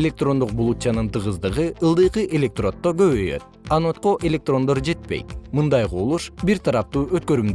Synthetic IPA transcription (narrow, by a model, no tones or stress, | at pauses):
elʲe̞k̚t̪ro̞nd̪uq̚bulˠut̪ʲjanɯnt̪ʰɯʁɯzd̪ɯʁɯɯlˠd̪ɯjqɯʔe̞lʲek̚t̪ro̞t̪ːoɡø̞βøjø̞̰t̪̚ɑnot̪qoʔe̞lʲe̞k̚t̪ro̞nd̪o̞ɾd͡ʒe̞t̪̚pe̞̰jt̪mɯnd̪ɑjquːlˠuʃbiɾt̪ʰɑɾɑp̚t̪uːøt̪kø̞ɾymd̪